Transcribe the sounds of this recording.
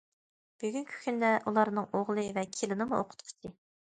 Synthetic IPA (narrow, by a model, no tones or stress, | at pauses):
b̥yɡʲynkʲʰy̥kʲʰynd̪ɛʔulˠɑɾnɨŋoʁlˠɨvɛkʲʰelɪnɨmuʔoqʰʊ̥t̪qʰʊ̥t͡ʃʰi